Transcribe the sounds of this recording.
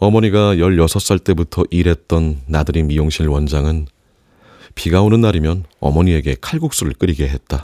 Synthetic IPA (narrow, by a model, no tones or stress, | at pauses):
ʌmʌɲiɡajʌɭjʌsʰʌs͈aɭt͈e̞butʰʌʔiɾɦe̞t̚t͈ʌnːadɯɾimijoŋɕʰinɭwʌnd͡ʑaŋɯn | piɡaonɯnːaɾimjʌnʌ̰mʌɲie̞ɡe̞kʰaɭɡuk̚s͈uɾɯɭk͈ɯɾiɡe̞ɦe̞t̚t͈a